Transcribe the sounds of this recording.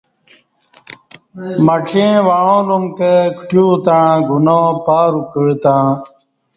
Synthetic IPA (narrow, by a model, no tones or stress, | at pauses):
mɐʈ͡ʂʰẽːʋaɻõːlumkəkʈjuːt̪aɻãːɡʱunõːpaːɾukəɻt̪ãː